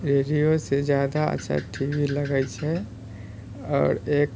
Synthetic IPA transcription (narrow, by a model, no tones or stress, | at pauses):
ɾeːɖijosezjaːd̪aə̰tːʃʰa̰ʈʰiːʋiləɡəit͡ʃɛ | ɔ̰ːɾeːk